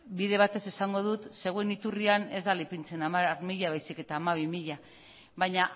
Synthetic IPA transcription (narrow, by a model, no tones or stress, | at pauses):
biðe̞β̞at̪e̞sesaŋɡo̞ð̞ut̪se̞ɣwe̞nit̪uriane̞zd̪alipint͡se̞namarmiʎaβajsike̞t̪aːmaβimiʎa | βaɲa